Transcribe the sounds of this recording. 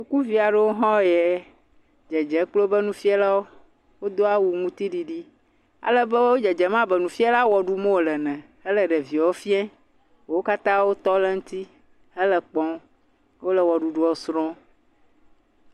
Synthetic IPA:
su˨ku˦vi˨a˨ɖɛ˦wo˦ɦɔ̃˦jɛ˨ | d͡ʒɛ˨d͡ʒɛ˨˦k͡plo˦bə˦nũ˦fi˦ɛ˦la˦wo˦ | wo˦d̪o˦a˦wu˨ŋũ˦t̪i˦ɖi˨ɖi˦ | a̰˨lə˦bɛ˦wo˦d͡ʒɛ˨d͡ʒɛ˨mã˦bɛ˨nũ˨fi˦a˦la˦wɔ˨ɖu˦mõ˦wo˨lɛ˨nɛ̃˨ | ɛ˦lə˨ɖɛ˨vi˨o˦fi˦ɛ̃˦˨ | wo˦ka˦t̪ã˦wo˦t̪ɔ˦lɛ˦ŋũ˦t̪i˦ | ə˦lə˨k͡pɔ̃˦ | wo˦lə˨wɔ˨ɖu˨ɖu˦ɔ˨sɾɔ̃˦

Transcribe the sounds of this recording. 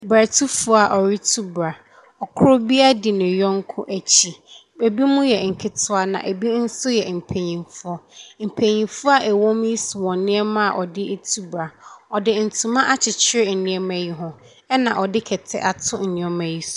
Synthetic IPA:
ba˨tʰu˦fʊ˦˨a˨ʔɔ˨ɾi˦tʰu˦bɾa˨ | ɔ˨kʰʊ˦ɾʊ˦bi˦a˦dɪ˨nɪ̃˨jɔ̃˦ŋ̩˦kʰʊ̰̃˦ʔæ˨t͡ɕʰi˨ | e˨bi˦mʊ̃˦jɛ˨ŋ̩˨kʰɪ˦tʰʊ˦a˦nã̰˨ʔe˨bi˦n̩˦sʊ˦jɛ˨m̩˨pʰe˨ɲĩ˨mfʊ˦ɔ˦m̩˨pʰe˨ɲĩ˨fʊ˦a˨ʔɛ˨wɔ̃˦m˦i˦su˨wɔ̃˨nɪ̃˦ɛ˦mã˦a˨ʔɔ˨dɪ˦tʰu˦bɾa˨ɔ˨dɪ˦n̩˨tʰũ˨mã˦ʔa˦t͡ɕʰɪ˨t͡ɕʰɪ˦ɾɪ˦˨nɪ̃˦ɛ˦mæ˨ji˦ɦʊ̃˦˨ | ɛ˦nã˨ʔɔ˨dɪ˦kʰɛ˨tʰɛ̰˦ʔa˨tʰʊ˦n̩˨nĩ˨ɛ˦mæ˨ji˦su̥˨

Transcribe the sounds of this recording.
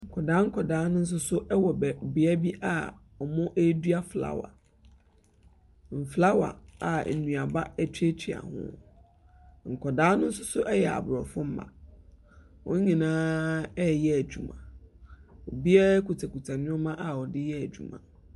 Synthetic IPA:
ŋ̩˨kʰɔ˨daː˦ŋ̩˦kʰɔ˨daː˨˦nʊ̃˦n̩˦s̬ʊ˦sʊ˦ʔɛ˦wɔ˨bɛ˨bi˨ɛ˦bi˦ʔa˦ | ɔ˨mɔ̃˦ʔe˦du˦a˦fla̰˦wa̰˨ | m̩˨fla˦wa̰˨a̰˨n̩˨nũ˨a˨ba˦æ˦tʰᶣi˦e˦t͡ɕʰi˨a̰˨hʊ̰̃˦ | ŋ̩˨kʰɔ˨daː˨˦nʊ̃˦n̩˦sʊ˦sʊ˦ʔɛ˦jɛ˨a̰˨bʊ˨ɾɔ˨fʊ̃˦m̩˦mã̰˨ | wʔʊ̰̃˦ɲ̩˦ɲĩ˨nãː˦ɛ˦jɛ˦æ˨d͡ʑᶣu˨mã̰˨ | ɔ˨bi˦ɛ˦kʰu˨tʰa˨kʰu˨tʰã˨nʊ̃˦ɔ˦mã˦ʔa˨ɔ˨dɪ˦jɛ˦æ˨d͡ʑᶣṵ˨mã̰˨

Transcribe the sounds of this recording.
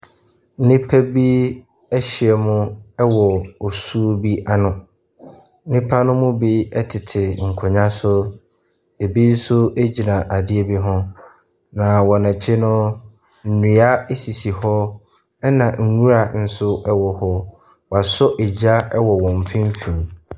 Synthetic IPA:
nɪ̃˦pʰa˦bi˦ | ɛ˦ɕɪ˨ɛ˨mʊ̃˦ɛ˦wɔ˨ɔ˨su˦o˦bi˦ʔa˦nʊ̃˨˦ | nɪ̃˦pʰa˦nʊ̃˦mʊ̃˦bi˦ɛ˦tʰɪ˨tʰɪ˨ŋ̩˨kʰʊ˨ɲã˦sʊ˦ | e˨bi˦n̩˦sʊ˦e˦d͡ʑi˨nã˨ʔa˨dɪ˦e˦bi˦ɦʊ̃˦ | nã˨wɔ˨nã˨t͡ɕʰɪ˦nʊ̃˦ | n̩˨nũ˨a˦e˦si˨si˨hɔ˦ | ɛ˦nã˨ŋ̩˨ɲu˦ɾa˨n̩˦sʊ˦ɛ˦wɔ˨hɔ˦ | wa˨sɔ˦ʔɪ˨d͡ʑa˦ɛ˦wɔ˨wɔ̃˨m˨fɪ̃˦m˦fĩ˨m˨

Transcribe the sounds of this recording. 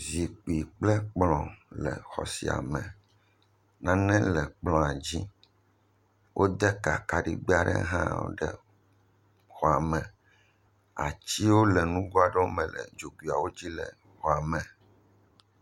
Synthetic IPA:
zi˨k͡pi˨k͡plɛ˦k͡plɔ̃˨lɛ̰˨xɔ̰˨sḭ˨a̰˨mɛ̃˨ | nã˦nɛ̃˦lɛ˨k͡plɔ̃˨a˨d͡ʑi˦ | wʔo˦d̪ɛ˦ka˨ka˨ɖḭ˦ɡ͡bi˦a˦ɖɛ̰˦ɦã̰˦o̰˦ɖɛ̰˨ | xɔ˨a˨mɛ̃˨ | a̰˨t͡ɕi˦wo˦lɛ˨nũ˦ɡo˦a˦ɖɔ˦mɛ̃˨lɛ̰˨d͡ʒo˨ɡi˨a˨wo˦d͡ʑi˦lɛ̰˨ | xɔ˨a˨mɛ̃˨

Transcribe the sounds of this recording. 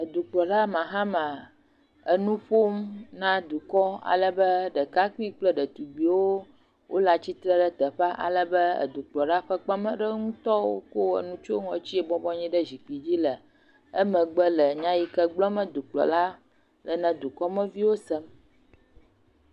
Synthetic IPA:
ə˨d̪u˨k͡plɔ˨ɖa˦mã˨ɦa˦mã˨ | ə˨nũ˦ɸo˦mnã˦d̪u˨kɔ˦a̰˨lə˨bə˦ɖə˨ka˦ki˦k͡plə˦ɖə˨t̪u˨bi˨wo˦ | wʔo̰˦la˨t͡ɕi˦t̪ɾə˦ɖə˦t̪ə˨ɸa˦ʔa̰˨lə˨bə˦ə̰˨d̪u˨k͡plɔ˨ɖa˦ɸə˦k͡pa˦mə̃˦ɖə˦ŋũ˦t̪ɔ˦wo̰˦ko˦ə̰˨nũ˦t͡ʃo˦ŋɔ̃˨t͡ɕi˦e˨bɔ˦bɔ˦ɲĩ˦ɖə˦zi˨k͡pi˨d͡ʑi˦lə˨ | ə˦mə̃˨ɡ͡bə˦lə˨ɲã˦ji˦kə˦ɡ͡blɔ˦mə̃˦d̪u˨k͡plɔ̰˨la˦ | lə˨nɛ̃˨d̪u˨kɔ˦mə̃˦vi˦wo˦sə˦m

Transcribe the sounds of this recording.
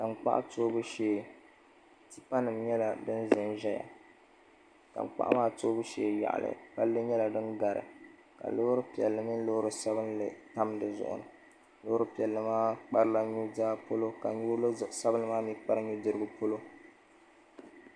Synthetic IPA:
ka˨ŋ͡mk͡pa̰˦ʔa̰˦toː˦bɨ˦ʃeː˦˨ | ti̥˦pa˦nɨ˨mɲɛ˦la˨dɨ˦n˦zɨ˨nʒɛ˦ja̰˨ | ka̰˨ŋ͡mk͡pa̰˦ʔa̰˦maː˦toː˦bɨ˦ʃeː˨ja̰˨ʔa̰˨lʔɨ̰˨pa˦lːɨ˦ɲɛ˦la˨dɨ˦nɡa˨ɾɨ̰˨ | ka̰˨lo˦hʊ˦ɾɨ˦pi˨ɛ˨lːɨ˨nɨ˦lo˦hʊ˦ɾɨ˦sa˦bɨ˦nlɨ̰˨ta˦mdɨ˨zʊ̰˨ʔʊ̰˨nɨ̰˨ | lo˦ʊ˦ɾɨ˦pi˨ɛ˨lːɨ˨maː˦k͡pa˦ɾɨ˦la˦ɲu˦daː˦po˦lo˦ka˨ɲu˦sa˦bɨ˦nɨ˦maː˦mi˦k͡pa˦ɾɨ˦ɲu˦dɨ˦ɾɨ˦ɡɨ˦po˦lo˦

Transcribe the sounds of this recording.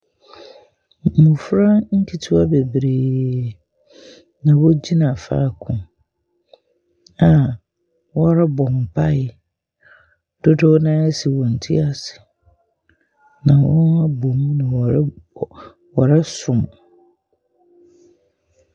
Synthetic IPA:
mũ˨fɾa˦ŋ̩˦kʰi˨tʰu˦a˦be˨bɾeː˨ | nã˨wɔ˦d͡ʑi˦nã˨fa̰ː˦˨kʰʊ̃˨ | a˨ | wɔ˦ɾa˦bɔ̃˨m˨pʰa˦ɪ˨ | d̥o˦dɔ˦nãː˦ɛ˦si˨wɔ̃˨n̩˨tʰi˦a˦sɪ̥˨ | nã˨wɔ̰̃˦n˦a˦bo˨m̃˦nã˨˦ | wɔ˨ɾa˦sʊ̃˨m

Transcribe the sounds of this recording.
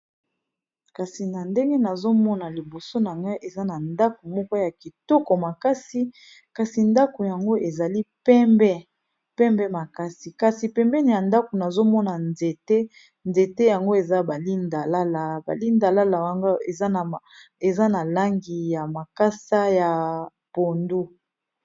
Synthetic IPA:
ka˨si˨na˨nde˦ŋɡe˦na˨zo˦mɔ˦na˨li˨bo˨so˦na˨ŋɡa˦ʔe˨za˦na˨nda˦ko˨mɔ˦kɔ˦ja˨ki˨tɔ˦kɔ˨ma˨ka˦si˦ | ka˨si˨nda˦ko˨ja˨ŋɡo˦ʔe˨za˨li˦pɛ˦mbɛ˦ | pɛ˦mbɛ˦ma˨ka˦si˨ka˨si˨pɛ˨mbɛ˦ni˨ja˨nda˦ko˨na˨zo˦mɔ˦na˨nze˨te˦ | nze˨te˦ja˨ŋɡo˦e˨za˦ba˨li˦nda˨la˦la˨ba̰˨li˦nda˨la˦la˨wa˦ŋɡa˦e˨zna˨ | e˨za˦na˨la˦ŋɡi˨ja˨ma˨ka˦sa˦ja˨ | po˨ndu˦

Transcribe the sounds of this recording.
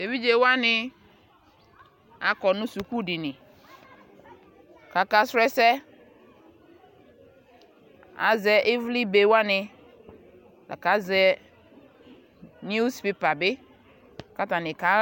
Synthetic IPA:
de˨vi˦d͡ʒe˨wa˦nɪ˨ | a˨kɔ˨nʊ̃˦su˨ku˦dɪ˨nɪ̃˨ | ka˨ka˨sɾɛ˦sɛ˦ | a̰˨zɛ˨ʔɪ˦vli˦be˨wa˦nɪ̃˨ | la̰˨ka˨˦zɛ˨ | n˦u˦spe˨pa˨bɪ˦ | ka˦ta˨nɪ̃˨ka˨˦

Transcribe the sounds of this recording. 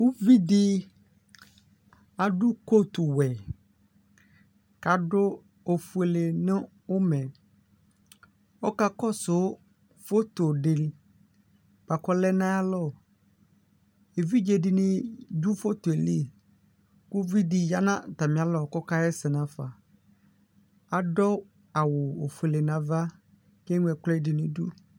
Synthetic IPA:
kʊ˦vi˦dɪ˦ | a˨dʊ˦ko˦tu˨wɛ˨ | ka˨dʊ˦ | o˨fu˨e˨le˨nɪ̃˦ | ʊ˦mɛ̃˨ | ɔ˦ka˦kɔ˦sʊ˨˦ | fo˦to˨dɪ˨l | b̥a˨kɔ˨lɛ˦nã˦a˦lɔ˦˨ | e˨vi˦d͡ʒe˨dɪ˨nɪ̃˦du˦fo˦to˨e˨li˦ | kʊ˦vi˦di˨ja˦nã˦˨ta˨mɪ̃˨˦a˦lɔ˨kɔ˦ka˦ɛ˦sɪ˨nã˦fa˨ | a˨dɔ˦ | a˨wʊ˨o˨fu˨e˨le˨nã˨va˦ | kɛ˦ŋʷ˦ɛ˨kɛ˦dɪ˨nʊ̃˦dṵ˦

